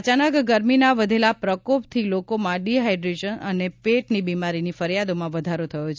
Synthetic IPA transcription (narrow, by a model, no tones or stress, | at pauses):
t͡ʃanəkɡəɾminaʋəd̪ʱelapɾəkopt̪ʰilokomãɖiɦajɖɾed͡ʒənənepeʈnibimaɾinifəɾjad̪omãʋəd̪ʱaɾot̪ʰəjot͡ʃʰ